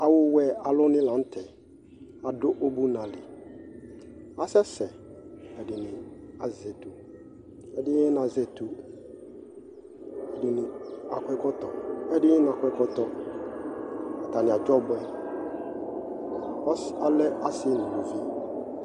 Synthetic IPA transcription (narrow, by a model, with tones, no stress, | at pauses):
a˨wʊ˦wɛ˨a˨lʊ˦nɪ̃˦lã˨˦n̩˦tʰɛ˨ | a˨dʊ˦ʔo˦bu˦nã˨lɪ˨ | a˨sɛ˦sɛ˨ | ɛ˨dɪ˨nɪ̃˨a˨zɛ˨tu˨ | ɛ˦dɪ˦na˨zɛ˨tu˨ | ɛ˨dɪ˨nɪ̃˨a̰˨kʷʰɛ˦kɔ˦tɔ˨ɛ˦dɪ˦n˨a˨kʷɛ˦kɔ˦tɔ˦ | a˨ta˨nɪ̃˨a˨d͡ʒɔ˦bʊ˨ɛ˨ | ɔ˦sa˨lɛ˦a˨sɪ˦˨nʊ̃˨lu˨fi˦